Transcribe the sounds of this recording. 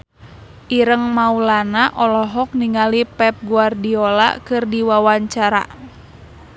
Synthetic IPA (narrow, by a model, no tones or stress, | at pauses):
ʔiɾəŋmaulanaʔɔlɔɦɔk̚niŋalipɛp̚ɡuardiɔla̰kɨrdiwawaɲt͡ʃaɾa̰